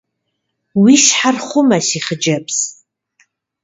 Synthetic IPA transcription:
wiʃħarχʷʊmasiχəd͡ʒapʰs

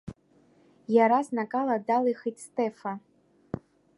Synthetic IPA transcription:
jaɾasnakʼaladalɨxɨtstʼefa

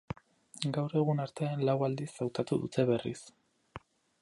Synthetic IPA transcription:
ɡawɾe̞ɣunaɾt̪e̞anlawald̪isawt̪at̪uðṵt̪ʰe̞βe̞rḭs

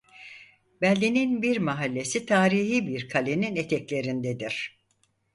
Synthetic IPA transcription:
bælʲːininbiɾmaɦalʲːe̞sit̪ʰaːɾiɦiːbiɾkʰalʲeninet̪ʰɛclʲe̞ɾind̪ɛd̪iɾ̥

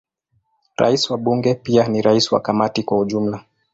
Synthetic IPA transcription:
ɾa̰isiwaɓuŋɡɛpianiɾaisiwa̰kamatikwauʄum̩la

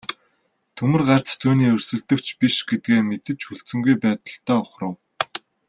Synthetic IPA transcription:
t̪ʰɵmɵ̆rɢar̥t͡st̪ʰuːniːɵr̥ʲsɵ̆ɮt̪ɵ̆kt͡ɕʰpiʃɡet̪̚ɡeːmet̪ɘ̆t͡ɕxuɮt͡sɵ̆ŋɡujpæːt̪ə̆ɬt̪aːʊχrə̆w

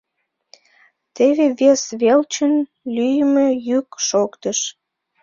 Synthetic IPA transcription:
t̪eβeβesβelt͡ɕən | lyjəmejykʃokt̪əʃ

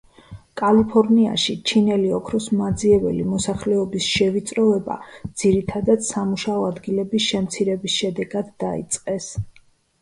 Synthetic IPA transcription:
kʼalipʰɔɾnia̰ʃit͡ʃʰinɛliɔkʰɾɔsmad̪ziɛvɛ̰limɔsaχlɛɔbisʃɛvit̪sʼɾɔvɛba̰d̪z̥iɾit̪ʰad̪at̪samuʃaɔad̪ɡilɛbisʃɛmt̪sʰiɾɛbisʃɛd̪ɛɡad̪ːaḭt̪sʼqʼɛs

